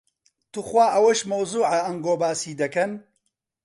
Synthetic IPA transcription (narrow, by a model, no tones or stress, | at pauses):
t̪uxwaːʔɐwɐʃmɐwzuːʕɐɐŋɡoːbaːsiːd̪ɐkɐn